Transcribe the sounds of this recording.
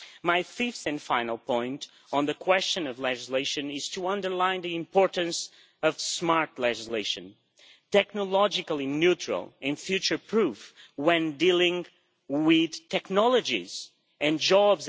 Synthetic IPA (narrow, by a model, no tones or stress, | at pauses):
maɪfɪfθɨ̃nfãɪ̃nəlˠpʰɔ̃ɪ̃nt | n̩ðɨkʰw̥ɛst͡ʃɨ̃nʌvlɛd͡ʒɨsleɪʃɨ̃nɪz̥tʰəʌ̃ndə˞lãɪ̃nðiɨ̃mpʰɔɹʔɨ̃ns | ʌv̥smɑɹtˡlɛd͡ʒɨsleɪʃɨ̃n | tɛk̚nəlɔd͡ʒɨkəl̩ˠinjʉt͡ʃɹ̥ə̰lˠɨ̃nfjʉt͡ʃə˞pʰɹ̥ufwɛ̃ndilˠɪ̃ŋ | wɪð̥tʰɛknɑlˠəd͡ʒḭz | ɨ̃nd͡ʒɑbz